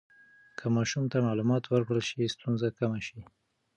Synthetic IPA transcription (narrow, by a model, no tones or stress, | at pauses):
kʰəmɑʃumt̪amɑlumɑt̪wəɾkɽəlʃist̪unzakamaʃi